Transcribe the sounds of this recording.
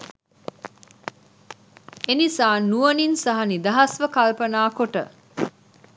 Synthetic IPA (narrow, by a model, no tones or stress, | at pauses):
enisaːnuəninsɐɦɐnid̪ɐɦɐsʋəkalpənaːkoʈə